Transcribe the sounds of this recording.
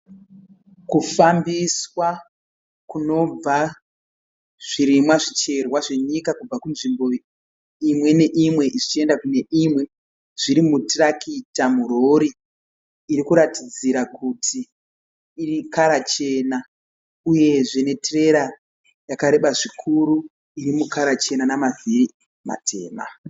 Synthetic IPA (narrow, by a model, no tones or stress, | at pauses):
kufambiswa | kuno̞b͡va | ʐ̥iɾimwaʐit͡ʃe̞rwaʐe̞ɲikakub͡vakunʐimbo̞ | imwe̞ne̞ʔimwe̞ʔiʐit͡ʃie̞ndakune̞ʔimwe̞ | ʐ̥iɾimutirakʰitamuɾoɾiː | ɾikuɾatid͡ziɾakʰutʰiː | rikaɾat͡ʃe̞na | uje̞ʐene̞tre̞ɾa | jakaɾe̞ɓaʐikʰuɾu | iɾimukaɾat͡ʃe̞nanamaviri | ma̰tʰe̞̰ːma̰